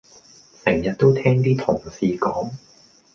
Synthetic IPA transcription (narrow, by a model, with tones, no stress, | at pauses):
sɛ˨˩ŋjɐ˨t̚t̪o˥wt̪ʰɛː˥ŋt̪iː˥t̪ʰʊ˨˩ŋsiː˨kɔː˨˥ŋ